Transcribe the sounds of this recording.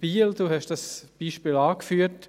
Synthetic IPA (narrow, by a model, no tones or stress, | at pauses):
b̥iːld̥uːhɛʃd̥ɑsb̥iːʃpiːlɑːkfyːt